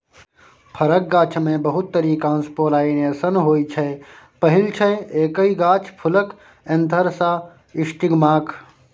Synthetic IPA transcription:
pʰɐɾək̚ɡaːt͡ʃʰmẽbəɦʊt̪ːəɾiːkãːnspoːlaːineːsənɦoːit͡ʃʰe | pɐɦɪlt͡ʃʰeeːkəiɡaːt͡ʃʰpʰʊlək | ent̪əɾsa | ɪʃʈiɡmaːkʰ

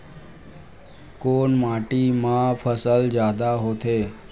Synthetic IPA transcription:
koːɳmaʈimãfʰəsəld͡ʑjaːd̪aɦoːt̪e

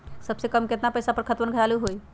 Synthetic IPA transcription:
səbsekəmket̪napəjsapəɾkʰət̪bənɡʱəɾaluɦoj

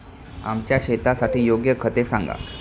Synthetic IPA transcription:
a̰mt͡ɕjaɕet̪asaʈiːjoɡjəkʰət̪esaŋɡa̰

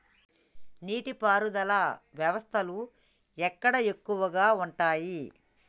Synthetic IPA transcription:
niːʈipaːɾud̪ɐlɐʋjɐʋɐst̪ʰɐlu | ɛkːɐɽɐe̞kːuʋɐɡaːuɳʈaːji

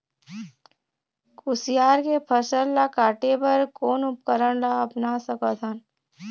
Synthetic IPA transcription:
kʊsɪjaːɾkepʰəsəllakaːʈepəɾkoːnʊp̚kəɾəɽ̃laəpnasəkət̪ʰan

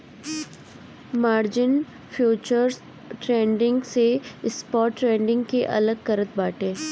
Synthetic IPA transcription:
maːɾd͡ʒɪn | fʰjuːt͡ʃəɾz | ʈɾẽːɳɖɪ̃ŋɡseɪspɔːʈːɾẽːɳɖɪ̃ŋɡkeʔɐ̰ləɡkɐɾət̪̚baːʈẽː

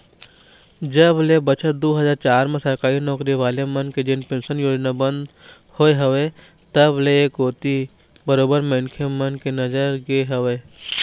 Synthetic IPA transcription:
d͡ʒəblebɐt͡ʃʰət̪̚d̪oːɦɐzaːɾt͡ʃaːɾmẽsɐɾkaːinɔːkɾiʋaːlemɐnked͡ʒɪnpẽːnsənjoːd͡ʒnabɐ̃nd̪ | hoːeɦɐʋe | t̪ɐblekoːt̪i | bɐɾoːbəɾmɛ̃nkʰemɐnkenɐd͡ʒəɾɡeɦɐʋeː

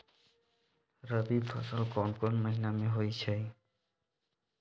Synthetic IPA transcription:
ɾəbipʰə̰səlkɔnkɔnməɦinameɦojt͡ʃʰɛ

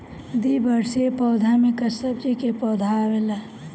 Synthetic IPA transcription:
d̪ibəɾsepɔːd̪ʱamẽkəsəbd͡ʒikepɔd̪ʱaʋela

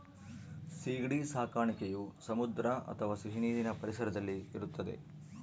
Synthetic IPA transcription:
siːɡɽisaːkaːɳikejusɐmud̪ɾɐʔɐ̰t̪ʰɐʋaːsiʃiniːd̪inɐpɐɾisɐɾɐd̪ɐlːiiɾut̪ːɐd̪e̞̰

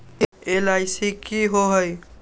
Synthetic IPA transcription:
elajsikiɦoɦəj

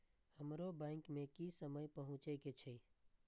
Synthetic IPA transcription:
həmɾobɛ̃ːŋkmẽkisəməjpəɦʊ̃t͡ʃeket͡ʃʰe

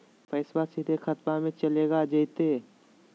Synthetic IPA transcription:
pʰɛːswasid̪ʱexʰɐt̪mamẽt͡ʃɐleːɡad͡ʒət̪eː

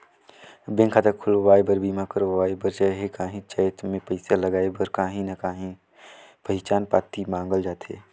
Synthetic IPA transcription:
bẽːŋkʰaːt̪akkʰʊloʋaːebəɾbiːmãkəɾoʋaːebəɾt͡ʃaːɦekaːɦĩt͡ʃaːjt̪mẽpəɪsaləɡaːebəɾkaːɦĩnɐkaːɦĩ | pəɦɪt͡ʃaːnpa̰ːt̪imãːŋɡəld͡ʒaːt̪ʰḛː

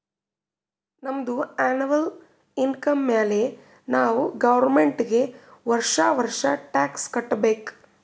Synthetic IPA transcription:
nɐmɐd̪uaːniʋɐl | inkɐmːeːle | naːʋuɡɐʋɐɾmeɳʈɡe̞ʋɐɾʂaʋɐɾʂɐʈaːkskɐʈːɐbeːk

